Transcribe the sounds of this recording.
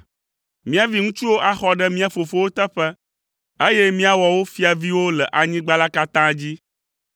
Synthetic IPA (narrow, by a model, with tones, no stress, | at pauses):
mĩ˦a˨vi˦ŋũ˦t͡ʃu˦wo˦ʔa˦xɔ˦ɖɛ˦mĩ˦a˨fo˨fo˦wo˦t̪ɛ˦ɸɛ˦ | e˦jɛ˦mĩ˦a˨wɔ˨wo˦fi˦a˨vi˦wo˦lɛ˨ʔa˨ɲĩ˦ɡ͡ba˦la˦ka˦t̪ã˦d͡ʑi˦